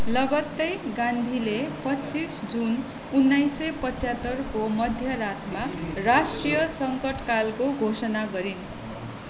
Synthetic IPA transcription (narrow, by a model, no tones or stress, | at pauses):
lʌɡʌt̪ːʌjɡãnd̪ʱilepʌt͡sisd͡zun | unːajsʌpʌt͡sat̪ːʌrkomʌd̪ʱjʌɾat̪ʰmarasʈrijʌsʌŋkʌʈkalkoɡʱosʌnaɡʌɾin